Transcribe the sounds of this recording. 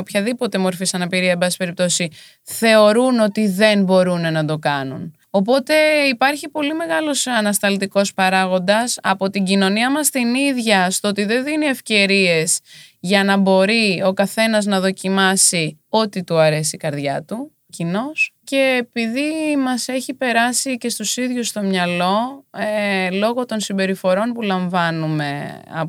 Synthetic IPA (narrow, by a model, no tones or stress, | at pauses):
opçɐðipo̞t̪e̞mo̞ɾfisɐnɐpiɾiɐembɐsisi̥peɾip̚t̪o̞si | θe̞o̞ɾuno̞t̪iðe̞nbo̞ɾune̞nɐd̪o̞kɐnun | o̞po̞t̪e̞ipɐɾçipo̞lime̞ɣɐlo̞sɐnɐst̪ɐlt̪iko̞spɐɾɐɣo̞nd̪ɐsɐ̰po̞t̪iɲɟino̞niɐmɐst̪iniðʝɐst̪oot̪iðe̞nðinie̞fce̞ɾie̞zʝɐnɐbo̞ɾio̞kɐθe̞nɐznɐðo̞cimɐsi | o̞t̪it̪uɐɾe̞sikɐɾðʝɐ̰t̪u | cino̞sce̞ːpiðimɐse̞çipe̞ɾɐsice̞st̪usiðʝust̪o̞mɲɐlo̞elo̞ɣo̞t̪o̞nsimbe̞ɾifo̞ɾo̞npulɐɱvɐnume̞̰ɐ̰